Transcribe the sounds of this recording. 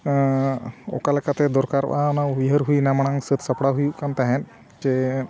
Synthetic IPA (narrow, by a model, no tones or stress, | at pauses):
ɔ̰kalɛkat̪ɛd̪ɔɾkaɾb̰anaɦujɦəɾɦujnamaɽ̃aŋsət̪səpɽaɦujuʔkant̪aɦɛ̃n | d͡ʒɛ